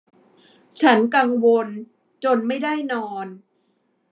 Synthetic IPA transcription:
t͡ɕʰa˦˥nka˧ŋwo˧n | t͡ɕo˧nma˥˩jda˥˩jnɔː˧n

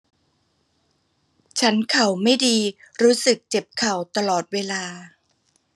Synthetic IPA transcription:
t͡ɕʰa˦˥nkʰa˨˩wma˥˩jdiː˧ɾuː˦˥sɯ˨˩k̚t͡ɕe˨˩p̚kʰa˨˩wt̪a˧lɔː˨˩t̪̚weː˧laː˧

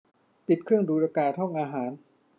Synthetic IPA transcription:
pi˨˩t̪̚kʰɾɯ˥˩əŋduː˦ɾaː˧kaː˧t̪ʰɔ˥˩ŋʔaː˧ɦaː˩˦n

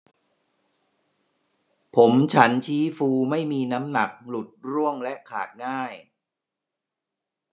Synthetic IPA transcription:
pʰo˩˦mt͡ɕʰa˦˥nt͡ɕʰiː˦˥fuː˧ma˥˩jmiː˧na˦˥mna˨˩k̚lu˨˩t̪̚ɾu˥˩əŋlɛ˦˥ʔkʰa̰ː˨˩t̪̚ŋaː˥˩j

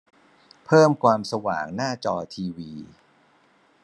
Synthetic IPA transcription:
pʰɤː˥˩mkʰwaː˧msa˧wa̰ː˨˩ŋnaː˥˩t͡ɕɔː˧t̪ʰiː˧wiː˧

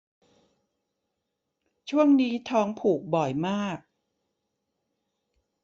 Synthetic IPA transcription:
t͡ɕʰu˥˩əŋniː˦˥t̪ʰɔː˦˥ŋpʰuː˨˩k̚bɔ˨˩jmaː˥˩k̚

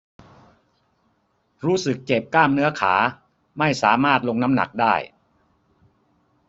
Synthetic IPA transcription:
ɾuː˦˥sɯ˨˩k̚t͡ɕe˨˩p̚klaː˥˩mnɯ˦˥ɐkʰa̰ː˩˦ | ma˥˩jsaː˩˦maː˥˩t̪̚lo˧ŋna˦˥mna̰˨˩k̚daː˥˩j

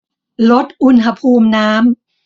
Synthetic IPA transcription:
lo˦˥t̪̚ʔu˧nɦa˧pʰuː˧mnaː˦˥m

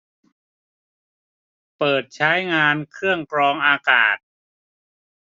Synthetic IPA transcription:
pɤː˨˩t̪̚t͡ɕʰa˦˥jŋaː˧nkʰɯ˥˩əŋkɾɔː˧ŋʔaː˧kaː˨˩t̪̚

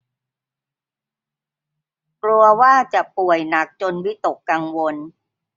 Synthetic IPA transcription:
klu˧ɐwaː˥˩t͡ɕa˨˩ʔpu˨˩əjna˨˩k̚t͡ɕo˧nwi˦˥t̪o˨˩kːa˧ŋwo˧n

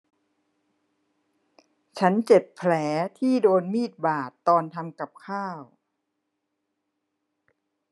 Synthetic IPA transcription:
t͡ɕʰa˦˥nt͡ɕe˨˩p̚pʰlɛː˩˦t̪ʰiː˥˩doː˧nmiː˥˩t̪̚baː˨˩t̪ːɔː˧nt̪ʰa˧mka˨˩p̚kʰaː˥˩w

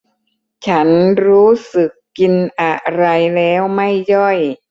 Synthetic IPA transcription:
t͡ɕʰa˦˥nɾuː˦˥sɯ˨˩kːi˧nʔa˨˧˩ɾa˧jlɛː˦˥wma˥˩jjɔ˥˩j

